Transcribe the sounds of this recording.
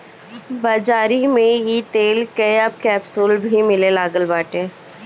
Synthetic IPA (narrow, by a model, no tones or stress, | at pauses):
bɐd͡ʒaːɾimẽjit̪eːlkəəb̚kɛːpsoːlbʱimɪlelaːɡəlbaːʈeː